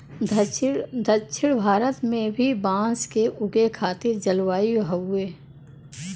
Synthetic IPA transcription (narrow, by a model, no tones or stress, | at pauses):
d̪d̪ʱət͡ʃʰɪɽbʱaːɾət̪mẽbʱibãːskeʔʊɡekʰaːt̪ɪɾd͡ʒɐlwaːiɦɐeː